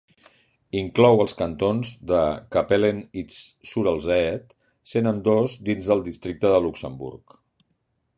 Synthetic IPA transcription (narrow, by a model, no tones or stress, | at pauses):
iŋklɔwəlˠskənt̪onzðəkəpelenissuɾəlˠzɛt̪ | senənd̪ozd̪inzðəlˠd̪ist̪ɾik̚t̪əðəluksəmbṵɾk